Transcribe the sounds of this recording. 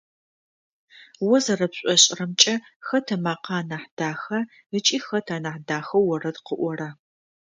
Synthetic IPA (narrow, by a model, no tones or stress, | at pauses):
wɔzɐrɐpɕʷʼɔɕʼrɐmt͡ʃʼɐxɐtʰɐmaːqɑːnaħd̥aːxɐ | ət͡ʃʼiːxɐtʰaːnaːħdaːxɐwːɔrɐdqəʔʷɔrɐ